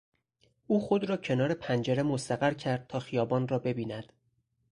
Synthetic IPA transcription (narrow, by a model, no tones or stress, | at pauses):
ʔuːxo̞d̪ɾɒːcʰe̞nɒːɾe̞pʰænd͡ʒeɾe̞most̪æɣæɾcʰæɾd̪̥̚t̪ʰɒːxijɒːbɒːnrɒːbe̞biːnæd̪̥